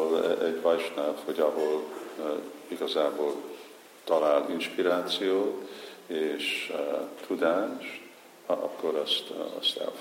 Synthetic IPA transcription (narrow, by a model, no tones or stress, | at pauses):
olɛɟvɒjʃnaːt̪hoɟɒɦo̞l | iɡɒzaːboːl | t̪ɒlaːlinʃpiɾaːt̪sijoːt̪eːʃ | t̪ʰud̪aːʃt̪ | ɒ̰kːo̞ɾɒst̪ɒ̰st̪ɛ̰l